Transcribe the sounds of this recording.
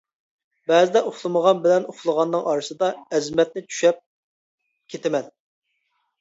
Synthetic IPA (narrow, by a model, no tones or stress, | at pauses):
bɛzɪd̪ɛʔoχlˠɨməʁɑnbɪlɛnoχlˠəʁɑnːɨŋʔɑɾɨsɨd̪ɑɛzmɛt̪̚nɪt͡ʃʰy̥ʃɛp̚ | kʲʰet̪ʰɪmɛn